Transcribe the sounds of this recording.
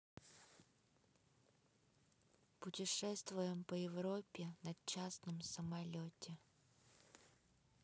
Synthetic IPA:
pʊtʲɪʂɛst̪vʊjɪmpəjɪvɾopʲːɪnɐt͡ɕasnəmsəmɐlʲotʲɪ

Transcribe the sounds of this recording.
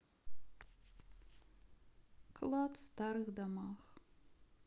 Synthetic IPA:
kʰlˠatfstaɾɨxd̪amax

